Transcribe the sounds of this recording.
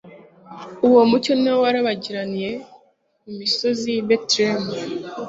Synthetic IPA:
uwomuconawaɾaβaɟiɾanije̞ | umiso̞ziβetɾem

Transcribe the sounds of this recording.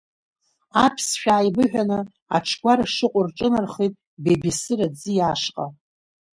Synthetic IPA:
apʰsʃᶣaːjbɨħᶣanɨ | a̰ʈ͡ʂʰɡʷaɾaʂɨqʷʼʊrʈ͡ʂʼɨnarχijtʼ | bebisɨrad͡zɨjaʂqʼa

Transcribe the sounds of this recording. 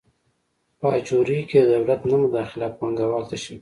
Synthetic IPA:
pəat͡ʃoɾikeəd̪awlat̪namʊd̪ɑxɪlat̚pɑŋɡawɑlt̪aʃi

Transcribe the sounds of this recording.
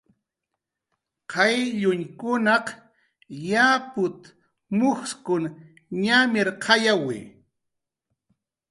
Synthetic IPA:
qʰɑjʎʊɲkʊnɑq | japʊt̪ | mʊχskʊŋ | ɲamɪɾqʰɑjawɪ̰

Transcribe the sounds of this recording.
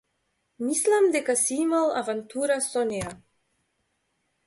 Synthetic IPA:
mislamd̪ɛkasiimalˠa̰vant̪uɾasɔneja

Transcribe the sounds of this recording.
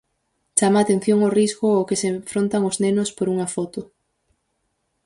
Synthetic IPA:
t͡ʃamaːt̪ẽn̟θjoŋoriskʊokɪseɱfɾont̪ɐŋʊznenʊspoɾuŋɐfɔt̪ʊ

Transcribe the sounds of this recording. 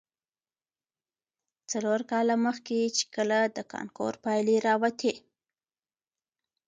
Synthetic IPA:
t͡saloɾkɑlaməxket͡ʃe̥kəlad̪əkɑ̰nko̰ɾpɑjleɾɑwat̪ʰe

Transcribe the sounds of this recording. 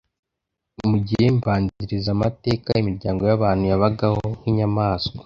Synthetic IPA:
muɟihemvaːɲziɾizamate̞ːkaimiɾɟaːŋɡo̞jaβaːn̥hujaβaɡahohiːɲamaːskwḁ

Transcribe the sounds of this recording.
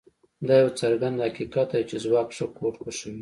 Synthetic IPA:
d̪ɑjawt͡saɾɡand̪hakikat̪̚d̪at͡ʃezwɑkʂəkʰoʈkəʃəwi

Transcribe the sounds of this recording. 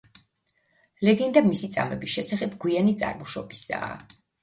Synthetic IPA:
lɛɡɛnd̪amisit̪sʼa̰mɛbisʃɛsaχɛbɡwianit̪sʼa̰ɾmuʃɔbisa̰ː

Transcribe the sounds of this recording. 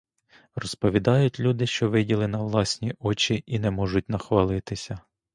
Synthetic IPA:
rɔspɔʋʲid̪ɑjʊtʲlʲud̪ɪʃt͡ʃɔʋɪdʲilˠɪnɐʋlˠɑsʲnʲiɔt͡ʃʲiʔinɛmɔʒʊt̚ʲnɐxʋɐlˠɪt̪ɪsʲɐ

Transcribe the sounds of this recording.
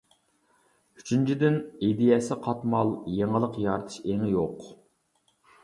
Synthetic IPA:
yt͡ʃʰynt͡ʃʰid̪ɪnid̪ijɛsɪqʰɑt̪mɑlˠjeŋəlˠəqjɑɾt̪ʰɨ̥ʃeŋɪjoq

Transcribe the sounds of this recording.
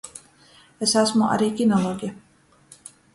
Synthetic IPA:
esasmuʔa̰ɾiːkʲinɔlˠoːɡija

